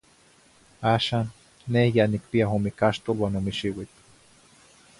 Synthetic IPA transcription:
aːʃaːnː | ehjanik̚piaɦomikaʃt̪olwaːnomiʃiwit̪

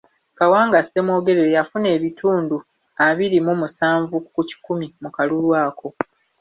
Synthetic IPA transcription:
kawaːŋɡase̞mwo̞ːɡe̞ɾeɾejafune̞ːβituːndu | aβiɾimumusaːɱvukuci̥kumimukalulwaːkʰo̞

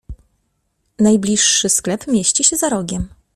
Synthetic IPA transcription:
najblʲiʂːɘsklɛpmʲjeɕt͡ɕiɕɛzaɾɔɡʲɛm

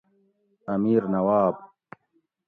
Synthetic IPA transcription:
ɐmiːɾnɐwaːb

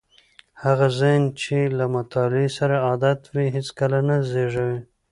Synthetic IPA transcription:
haɣazant͡ʃelamat̪ɑlesaɾaɑd̪at̪wiɦɪt͡skalanazeʐawi

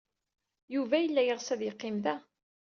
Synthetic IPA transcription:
juvæjəlːæjəʁsæðjəqːɪmðæ

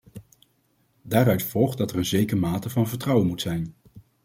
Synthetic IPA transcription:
daːɾœɥtfɔlˠχdɑtɛɹənzejkəmaːtəvɑnvəɹtrʌwənmutsɛjn

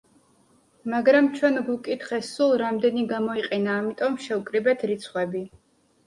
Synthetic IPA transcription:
maɡɾamt͡ʃʰwɛnɡukʼit̪ʰχɛsulˠɾamd̪ɛniɡamɔiqʼɛnaːmit̪ʼɔmʃɛukʼɾibɛt̪ʰɾit̪sʰχwɛbi

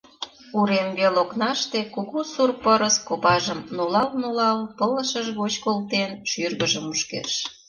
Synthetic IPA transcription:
uɾenβeloknɑʃt̪ekoɣosurpəɾəskopɑʒəmnolɑlnolɑlpələʃəʒɣot͡ɕkolt̪enʃyrɣəʒəmuʃkḛʃ

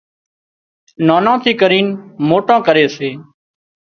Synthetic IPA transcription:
nãːnãːt̪ʰiːkəɾiːnmoːʈãːkəɾeːseː

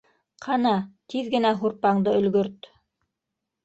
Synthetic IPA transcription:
qʰɑnɑt̪iðɡɘ̆næɦuɾpɑɴd̪ɤɵ̆lɡɵɾt̪

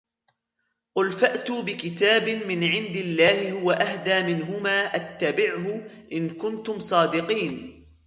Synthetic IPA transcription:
ʔʊlfaʔt̪ʊbɪkɪt̪aːbɪmɪnʕɪnd̪ɪlːaːhɪhʊwaʔahd̪aːmɪnɦʊmaːʔat̪ːabɪʕhʊʔɪnkʊnt̪ʊmsˤɑːd̪ɪqiːn

